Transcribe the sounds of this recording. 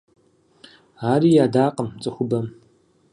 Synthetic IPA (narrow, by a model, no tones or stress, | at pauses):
aːɾiːjaːdaːqʼəmt͡sʼɨxʷʊbɐm